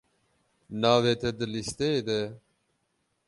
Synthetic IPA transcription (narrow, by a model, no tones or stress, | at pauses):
naːʋeːt̪ʰed̪əlist̪eed̪ɛ